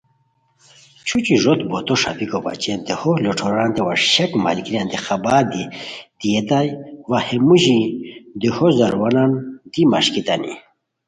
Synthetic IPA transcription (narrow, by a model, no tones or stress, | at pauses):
t͡ɕʰut͡ɕiʐot̪bot̪oʂa̰bikoba̰t͡ɕend̪eholoʈ͡ʂʰoɾant̪ewaɾɕɐkma̰lkɾiand̪ixabad̪id̪̥ijet̪ajwahemuʑid̪ihozɐɾwanand̪ima̰ʂkit̪anḭ